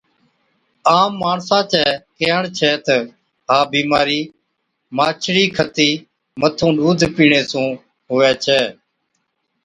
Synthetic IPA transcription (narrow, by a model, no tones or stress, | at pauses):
aːmːaːɳsãːt͡ʃɛːkeːəɳt͡ʃʰɛːt̪ə | ɦaːbiːmaːɾiː | maːt͡ʃʰɽiːkʰət̪iː | mət̪ʰũːɗuːd̪ʱpiːɳeːsũː | ɦʊːʋɛːt͡ʃʰɛː